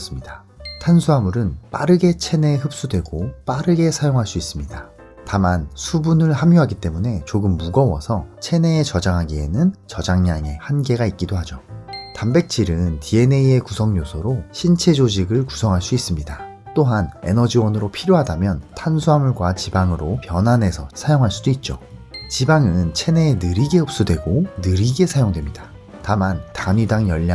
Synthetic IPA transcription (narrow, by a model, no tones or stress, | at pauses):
s͈ɯmɲida | tʰansʰuɦamuɾɯnp͈aɾɯɡe̞t͡ɕʰe̞ne̞hɯp̚s͈udwe̞ɡop͈aɾɯɡe̞sʰajoŋɦaɭs͈uis͈ɯmɲida | tamansʰubunɯɭɦamjuɦaɡit͈e̞mune̞t͡ɕoɡɯmːuɡʌwʌ̰sʰʌt͡ɕʰe̞ne̞ːt͡ɕʌd͡ʑaŋɦaɡie̞nɯnt͡ɕʌd͡ʑaŋɲaŋe̞hanɡe̞ɡait̚k͈idohad͡ʑotambe̞k̚t͡ɕ͈iɾɯntie̞ne̞ie̞kusʰʌŋɲosʰʌɾoɕʰint͡ɕʰe̞d͡ʑod͡ʑiɡɯɭku̥sʰʌŋɦaɭs͈uis͈ɯmɲida | t͈oɦane̞̰nʌd͡ʑiwʌnɯɾopʰiɾjoɦadamjʌntʰansʰuɦamuɭɡwat͡ɕibaŋɯɾopjʌnɦane̞sʰʌsʰajoŋɦaɭs͈udoit̚t͡ɕ͈o̰t͡ɕibaŋɯnt͡ɕʰe̞ne̞ːnɯɾiɡe̞ʌp̚s͈udwe̞ɡonɯɾiɡe̞sʰajoŋdwe̞mɲida | tamantamidaŋjʌʎːa